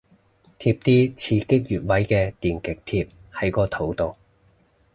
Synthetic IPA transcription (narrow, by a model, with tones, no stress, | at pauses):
t̪ʰiː˧p̚t̪iː˥t͡sʰiː˧kɪ˥k̬̚jyː˨t̚wɐ˨˥jkɛː˧t̪iː˨˩nkɪ˨˩k̚t̪ʰiː˧p̚hɐ˨˥jkɔː˧t̪ʰo˨˧˥wt̪o˨w